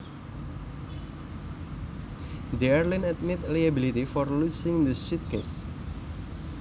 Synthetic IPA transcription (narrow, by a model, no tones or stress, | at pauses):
d̪eɛrlinɛt̪̚mit̪lajabilit̪ifɔrlusɪ̃ŋd̪əsit̪̚kes